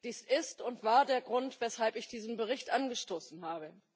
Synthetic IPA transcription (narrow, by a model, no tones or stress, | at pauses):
d̥iːsʔɪstʊntv̥aːɐdeːɐɡʁʊntv̥ɛshalpɪçd̥iːzn̩bəʁ̞ɪçtʔanɡəʃtoːsn̩ɦaːbə